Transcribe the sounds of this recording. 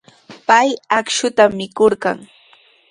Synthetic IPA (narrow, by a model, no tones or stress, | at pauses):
pajakʃʊt̪amːɪkoɾɢɑ̰ŋ